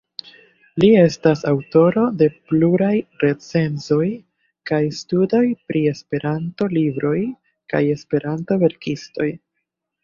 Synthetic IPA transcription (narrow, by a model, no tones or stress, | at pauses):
lie̞stasawto̞ɾo̞de̞pluɾajɾe̞t͡se̞nzo̞j | kajstudo̞jpɾie̞spe̞ɾʔanto̞libɾo̞j | ka̰je̞spe̞ɾʔanto̞ve̞ɾkisto̞j